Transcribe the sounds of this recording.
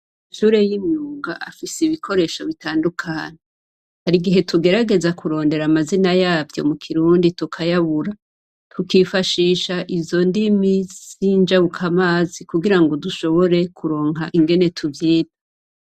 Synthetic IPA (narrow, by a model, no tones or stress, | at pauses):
iʃuːɾe̞jimɲuːɡaʔafiseiβikʰo̞ɾe̞ːʃoβitaːndukʰaːɲe | haɾiɡiɦe̞tʰuɡe̞ɾaɡe̞zakuɾo̞ːnde̞ɾamazinajaːvjo̞̰mukʰiɾuːnditukʰajaβuɾa | tʰukifaʃiːʃaʔivjo̞ndimizind͡ʒaβukʰamaːzikuɡiɾaŋɡo̞duʃo̞βo̞ɾe̞kʰuɾo̞ːŋɦaʔiŋɡe̞ne̞tʰuvjiːda